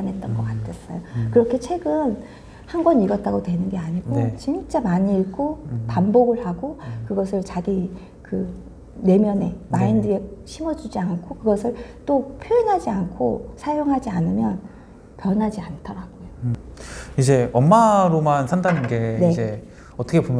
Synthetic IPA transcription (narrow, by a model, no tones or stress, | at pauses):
amɦe̞t͈ʌnɡʌk͈atʰe̞s͈ʌ̰jokɯɾʌkʰe̞t͡ɕʰwe̞ɡɯn | hanɡʌniɡʌt̚t͈aɡotwe̞nɯnɡe̞aɲiɡot͡ɕint͡ɕ͈amaɲiːɭɡopamboɡɯɭhaɡokɯɡʌs̬ʰɯɭt͡ɕaɡi | kɯ | ne̞mjʌne̞maindɯeɕʰimʌd͡ʑud͡ʑiankʰokɯɡʌsʰɯɭt͈opʰjoenɦad͡ʑiankʰo̰sʰajoŋɦad͡ʑianɯmjʌn | pjʌnɦad͡ʑiantʰʌɾaɡ̥ojo | id͡ʑe̞ʌmːaɾomansʰandanɯnɡe̞ne̞d͡ʑe | ʌt͈ʰʌkʰepomj